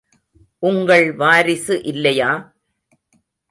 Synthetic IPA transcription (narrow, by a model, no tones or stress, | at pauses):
ʔʊŋɡɐɭʋaːɾɪsɯʔɪlːɐjaː